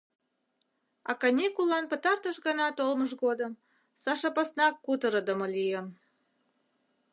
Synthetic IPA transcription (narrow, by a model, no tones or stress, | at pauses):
ɑ̰kɑnʲikulɑnpət̪ɑrt̪əʃɣənɑt̪olməʃɣod̪əm | sɑʃɑpɑsnɑkːut̪əɾəd̪əməlijəm